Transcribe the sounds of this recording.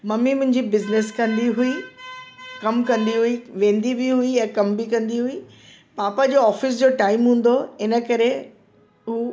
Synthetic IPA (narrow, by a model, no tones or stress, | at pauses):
mɐmimʊ̃ɦɪ̃ɲd͡ʑibɪznɪskɐ̃nd̪iɦui | kɐmkɐ̃nd̪iɦʊiʋẽːn̆d̪ibiɦʊijãːkɐmbɪkɐ̃nd̪iɦʊi | paːpad͡ʑoːɔːfɪs̬d͡ʑoːʈaːɪmɦũːn̆d̪oɪnə̆kɐɾe | ɦuː